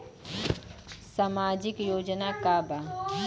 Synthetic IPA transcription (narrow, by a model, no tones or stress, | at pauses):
samaːd͡ʒɪkjoːd͡ʒnakaba